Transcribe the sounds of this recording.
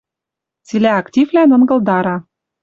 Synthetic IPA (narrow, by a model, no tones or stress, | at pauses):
t͡silʲæɑktʲivlʲænɤ̆nɡɤ̆lˠd̪ɑɾɑ